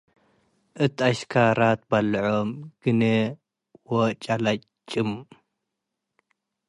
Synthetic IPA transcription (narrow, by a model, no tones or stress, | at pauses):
ʔɨt̪aʃkʰaɾat̪̚balːʕomɡ̥ɨne | wot͡ʃʼalat͡ʃt͡ʃʼːɨm